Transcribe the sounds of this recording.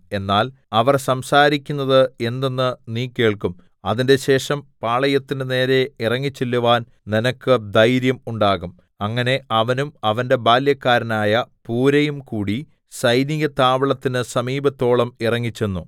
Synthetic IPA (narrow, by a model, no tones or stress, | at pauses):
e̞nːaːl | ɐʋɐrsɐmsaːɾikʲːunːɐðɨe̞nd̪e̞nːɨniːkːe̞ːɭkum | ɐðinde̞ɕe̞ːʂɐmpaːɭɐjɐt̪ːinɨne̞ːɾe̞irɐŋːit͡ɕːilːuʋaːn | ninɐkːɨd̪ɐjɾjɐmuɳɖaːɣum | ɐŋːɐne̞ʔɐʋɐnumɐʋɐnde̞baːljɐkːaːɾɐnaːjɐpuːɾɐjumkuːɽi | sɐjniɣɐt̪aːʋɐɭɐt̪ːinɨsɐmiːbɐt̪ːo̞ːɭɐmirɐŋːit͡ɕːenːu